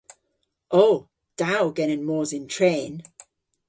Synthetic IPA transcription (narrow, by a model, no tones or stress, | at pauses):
ʔoʊ | d̥aʊɡɛnɪ̃nmɔːzɪ̃ntʰɹ̥ẽɪn